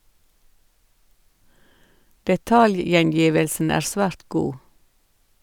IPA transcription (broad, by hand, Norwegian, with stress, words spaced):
dɛˈtɑljjɛnˌjiːʋəlsn̩ ˈæːɾ ˈsʋæːɾt ˈɡuː